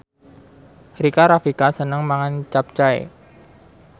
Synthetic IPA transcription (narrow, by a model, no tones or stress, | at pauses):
hɾikaɾafikasənəŋmaŋant͡ʃap̚t͡ʃaḛ